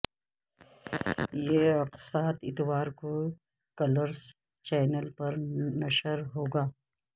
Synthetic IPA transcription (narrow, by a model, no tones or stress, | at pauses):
jeɐqsaːt̪ɪt̪waːɾko | kɐləɾs | t͡ʃɛːnəlpɐɾnɐʃəɾɦoːɡaː